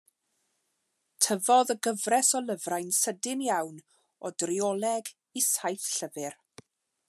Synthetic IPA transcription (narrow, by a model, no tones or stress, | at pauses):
tʰəvɔðəɡəvrɛsɔlˠəvrajnsədɪmjawn | ɔdriɔlˠɛɡ | isajθɬəvɪr